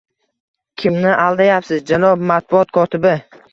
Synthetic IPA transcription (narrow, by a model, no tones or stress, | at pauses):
kʲʰɪmnɪʔalˠd̪ajapsɪzd͡ʒalˠɒbmat̪̚bʊɒt̪kʰɒt̪ʰɪbɪ